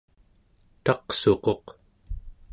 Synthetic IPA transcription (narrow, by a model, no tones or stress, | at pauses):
t̪ɑqso̞qo̞q